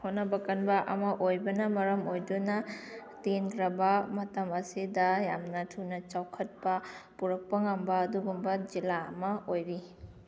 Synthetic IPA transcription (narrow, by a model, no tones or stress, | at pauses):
honɐbɐkɐnbɐʔɐ̰mɐʔojbɐnɐmɐɾɐmojdunɐtendɾɐbɐmɐtɐmɐsidɐjamnɐtʰunɐt͡ʃawkʰɐt̚pɐpuɾɐk̚pɐŋɐmbɐːduɡumbɐd͡ʒilaɐmɐojɾi